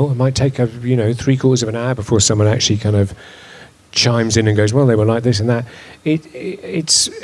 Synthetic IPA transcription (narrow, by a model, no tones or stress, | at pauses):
l̚ˠmaɪtʰeɪkʌvjɨnoʊθɹikʰw̥ɔˑɹɾəzʌvə̃naəbɨfɔɹsʌ̃mwʌ̃næ̰k̚t͡ʃʉl̩ˠikʰãɪ̃ndʌv̥ | t͡ʃʰãɪ̃mzɨ̃nɨ̃nɡoʊzwɛlˠðeɪwəlaɪk̚ðɪsɨ̃nðət̚ɪtɪts